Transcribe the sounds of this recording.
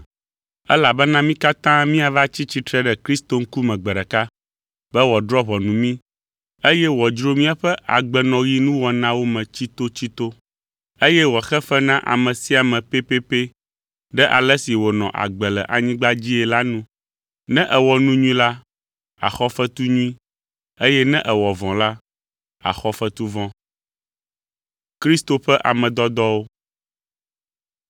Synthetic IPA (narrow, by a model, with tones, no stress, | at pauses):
ɛ˦la˨bɛ˦nã˦mĩ˦ka˦t̪ã˦mĩ˦a˨va˦t͡ɕi˦t͡ɕi˦t̪ɾɛ˦ɖɛ˨kɾi˦st̪o˨ŋ̩˦ku˦mɛ̃˨ɡ͡bɛ˨ɖɛ˨ka˦ | bɛ˦wɔ˨d̪ɾɔ˦βɔ˨nũ˨mĩ˦ | e˦jɛ˦wɔ˨d͡ʒɾo˦mĩ˦a˨ɸɛ˦a̰˨ɡ͡bɛ˨nɔ̃˨ji˦nũ˦wɔ˨nã˦wo˦mɛ̃˨t͡ɕi˦t̪o˦t͡ɕi˦t̪o˦ | e˦jɛ˦wɔ˨xɛ˦ɸɛ˦nã˦ʔa̰˨mɛ̃˨si˦a˨mɛ̃˨pe˦pe˦pe˦ | ɖɛ˦ʔa˨lɛ˦si˨wo˨nɔ̃˨ʔa̰˨ɡ͡bɛ˨lɛ̰˨ʔa̰˨ɲĩ˦ɡ͡ba˦d͡ʑi˦ɛ˨la˦nũ˦ | nɛ̃˦ʔɛ˨wɔ˨nũ˦ɲũ˦ĩ˦la˦ | a̰˨xɔ˦fɛ˦t̪u˦ɲũ˦ĩ˦ | e˦jɛ˦nɛ̃˦ʔɛ˨wɔ˨vɔ̃˨la˦ | a̰˨xɔ˦fɛ˦t̪u˦vɔ̃˦ | kɾi˦st̪o˨ɸɛ˦ʔa̰˨mɛ̃˨d̪ɔ˦d̪ɔ˦wo˦